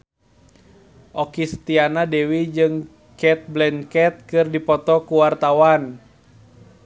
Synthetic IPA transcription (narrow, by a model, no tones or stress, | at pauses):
ʔɔkist̪ianadɛwid͡ʒɨŋ | kɛt̪̚blɛnkɛt̪̚kɨrdipɔt̪ɔkuwart̪awan